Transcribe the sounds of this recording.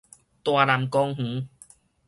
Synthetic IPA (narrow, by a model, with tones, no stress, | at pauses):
t̪waː˧˩la˨˩mkɔ˧ŋhũ˨˦